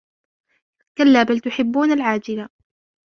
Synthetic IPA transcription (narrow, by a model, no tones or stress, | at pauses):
kalːaːbalt̪ʊħɪbːuːnalʕaːd͡ʒɪla